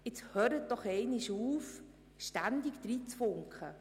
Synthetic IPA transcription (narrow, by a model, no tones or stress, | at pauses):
ɪt͡shøːɾət̚d̥ɔχɛɪnɪʃuːf | ʃtænd̪ɪkd̥̪ɾiːt͡sfʊŋkχə